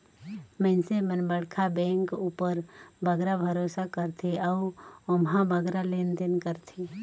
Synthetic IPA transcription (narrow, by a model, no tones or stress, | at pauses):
mɛ̃nsemənbəɽkʰabɛ̃ːŋkuːpəɾbəɡɾabʱəɾosakəɾt̪ʰeaʊʊmɦãbʱəɡɾaleːnd̪enkəɾt̪ʰe